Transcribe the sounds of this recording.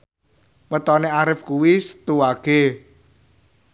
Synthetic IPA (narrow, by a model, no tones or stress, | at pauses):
mət̪ɔneaɾɪfkuwisə̥t̪uwaɡ̥e